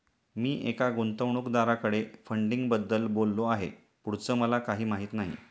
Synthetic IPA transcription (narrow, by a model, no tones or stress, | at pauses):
miːʔekaɡont̪əʋɳukd̪aɾakəɽefəɳɖiŋɡbəd̪ːəlbolːoaɦḛ | puɽ̤t͡səːməlakaɦiːmaɦiːt̪naɦḭ